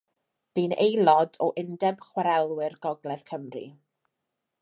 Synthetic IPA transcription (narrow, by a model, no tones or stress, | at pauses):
b̥iːnejlˠɔdɔʔɪndɛb̥χwaɾɛlˠwɪrɡɔɡlɛðkʰəmrḭ